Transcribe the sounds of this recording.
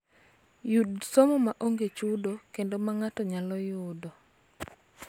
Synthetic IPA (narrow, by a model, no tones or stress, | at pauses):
judsomɔmaʔoŋɡet͡ʃudokendomaŋatɔɲalɔjʊdɔ